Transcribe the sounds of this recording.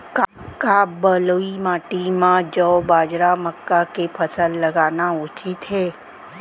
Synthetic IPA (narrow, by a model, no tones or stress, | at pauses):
k | kabəloimãːʈimãd͡ʒɔːbaːd͡ʒɾaməkːakepʰəsəlːəɡaːnaut͡ʃʰit̪ɦeː